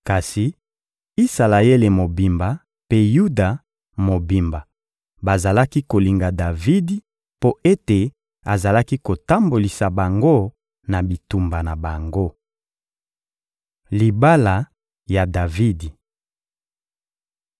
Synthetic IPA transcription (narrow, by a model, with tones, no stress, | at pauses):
ka˨si˨ | i˦sa˨la˨je˦le˨mo˨bi˨mba˨ | pe˦ju˦da˨ | mo˨bi˨mba˨ | ba˨za˨la˦ki˦ko˨li˨ŋɡa˨da˨vi˦di˦ | po˦ʔe˦te˨ | a˨za˨la˦ki˦ko˨ta˦mbo˨li˨sa˨ba˨ŋɡo˦ | na˨bi˨tu˨mba˨na˨ba˨ŋɡo˦ | li˨ba˦la˨ | ja˨da˨vi˦di˨